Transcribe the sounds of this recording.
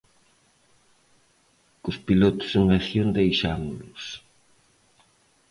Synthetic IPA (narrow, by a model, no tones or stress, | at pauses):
kʊspilot̪ʊ̥suŋaθjond̪ejʃamlʊs